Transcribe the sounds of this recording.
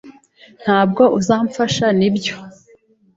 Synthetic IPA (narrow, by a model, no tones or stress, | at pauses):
n̥haːb̚ɡo̞ʔuzaːɱfaʃanibjo̞